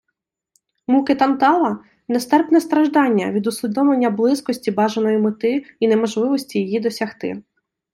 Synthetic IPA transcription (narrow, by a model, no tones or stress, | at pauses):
mukɪt̪ɐnt̪ɑlˠɐ | nɛst̪ɛrpnɛst̪ɾɐʒd̪ɑnʲːɐ̰ʋʲid̪ʊsʲlʲid̪ɔʋlˠenʲːɐblˠɪskɔsʲtʲibɑʒenɔjimɪt̪ɪinemɔʒlˠɪʋɔsʲtʲijejid̪ɔsʲɐxt̪ɪ̰